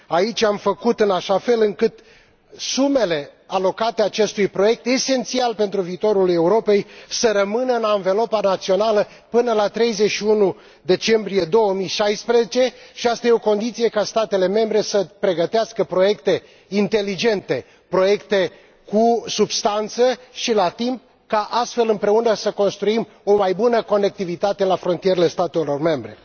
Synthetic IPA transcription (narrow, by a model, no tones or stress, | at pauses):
ait͡ʃʲamfəkut̪ɨnaʃafe̞lɨŋkɨt̪ | sume̞le̞alo̞kat̪e̞at͡ʃe̞st̪ujpɾo̞je̞k̚t̪e̞se̞nt̪sialpe̞nt̪ɾuviːt̪o̞ɾule̞uɾo̞pe̞jsəɾəmɨnəɨnaɱve̞lo̞panat̪sio̞nalə | pɨnəlat̪ɾe̞jzeʃiunu | d̪e̞t͡ʃe̞mbɾije̞d̪o̞wəmijʃajspɾezet͡ʃe̞ʃiast̪ajeo̞ko̞nd̪it̪sije̞kast̪at̪e̞le̞me̞mbɾe̞səpɾe̞ɡət̪easkəpɾo̞je̞kt̪e̞ | int̪e̞lid͡ʒe̞nt̪e̞ | pɾo̞je̞kt̪e̞ | kusubst̪ant̪səʃilat̪imp̚ | kaʔast̪fe̞lɨmpɾe̞unəsəko̞nst̪ɾuim | o̞majbunəko̞ne̞k̚t̪ivit̪at̪e̞lafɾo̞nt̪ijeɾele̞st̪at̪e̞lo̞rme̞mbɾe̞